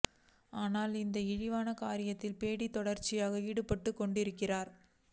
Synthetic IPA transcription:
aːnaːlɪnd̪ɐɪɻɪʋaːnɐkaːɾɪjɐt̪ːɪlpeːɽit̪ːɔɽɐɾt͡ʃːɪjaːɣɐiːɽɯpːɐʈːɯkːɔɳɖɪɾɯkːɪraːɾ

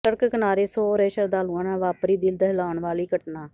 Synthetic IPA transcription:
ʃəɾkkənaːɾeːsoːɾeːʃəɾd̪aːluãːnãːʋaːpɾiːd̪ild̪əɦlaːɳʋaːliːkəʈnaː

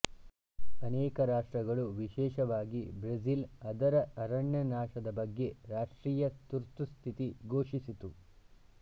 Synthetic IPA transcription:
ɐnɛːkɐɾaːʂʈɾɐɡɐɭuʋiʃɛːʃɐʋaːɡibɾezilɐd̪ɐɾɐɐɾɐɳjɐnaːʃɐd̪ɐbɐɡːe̞ɾaːʂʈɾiːjɐt̪uɾt̪ust̪ʰit̪iɡoːʂisit̪u

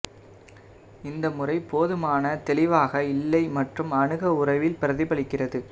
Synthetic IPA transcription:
ɪnd̪ɐmʊrɐɪpoːðɯmaːnɐt̪ɛlɪʋaːɣɐɪlːɐɪmɐʈrɯmɐɳɯɣɐʊrɐʋɪlpɪɾɐðɪpɐɭɪkːɪrɐðɯ

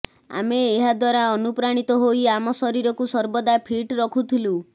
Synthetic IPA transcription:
a̰meːɦad̪waɾaɔnupɾaɽ̃it̪ɔɦoiamɔsɔɾiɾɔkusɔɾbɔd̪apʰiʈɾɔkʰut̪ʰilu

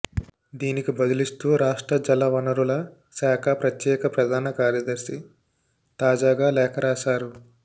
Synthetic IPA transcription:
d̪iːnikibɐd̪ulist̪uːɾaːʂʈɾɐd͡ʒɐlːɐʋɐnɐɾulɐ | saːkʰɐpɾɐt̪jɛːkɐpɾɐd̪ʱaːnɐkaːɾjɐd̪ɐɾʃi | t̪aːd͡ʒaːɡaːlɛːkʰɐɾaːʃaːɾu

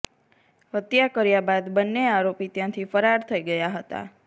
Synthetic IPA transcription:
ɦət̪jakəɾjabad̪bənːeaɾopit̪jãt̪ʰifəɾaɾt̪ʰəiɡəjaɦət̪a̰

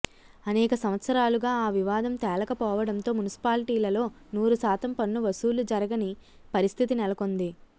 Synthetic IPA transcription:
ɐnɛːkɐsɐʋɐt̪sɐɾaːluɡaːaːʋiʋaːd̪ɐmt̪ɛːlɐkɐpɔːʋɐɽɐnt̪o̞ːmunisi̥paːliʈiːlɐlo̞ː | nuːɾusaːt̪ɐmpɐnːuʋɐsuːlud͡ʒɐɾɐɡɐni | pɐɾist̪ʰit̪inɛlɐko̞nd̪i

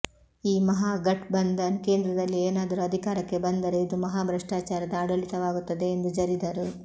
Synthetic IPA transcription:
iːmɐɦaːɡɐʈbɐnd̪ɐnke̞ːnd̪ɾɐd̪ɐlːieːnaːd̪ɐɾuɐd̪ʱikaːɾɐkːe̞bɐnd̪ɐɾeid̪umɐɦaːbʱɾɐʂʈaːt͡ʃaːɾɐd̪ɐːɽɐlit̪ɐʋaːɡut̪ːɐd̪e̞ːnd̪ud͡ʒɐɾid̪ɐɾu

